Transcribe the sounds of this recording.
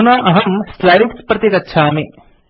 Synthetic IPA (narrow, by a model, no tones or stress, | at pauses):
naʔɐɦɐmslaːʋikspɾɐt̪jeːkɐtːʃʰaːme